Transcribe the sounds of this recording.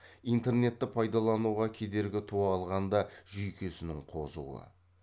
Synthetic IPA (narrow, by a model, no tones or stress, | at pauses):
ijnt̪e̞rne̞t̪ːɪpʰɑjd̪ɑlˠɑnuʁɑkʲʰe̞d̪e̞ɾɡʲɪt̪ʰuɑlˠʁɑnd̪ɑʒʏjkʲʰe̞sɪnɪŋqʰo̞zṵwə̰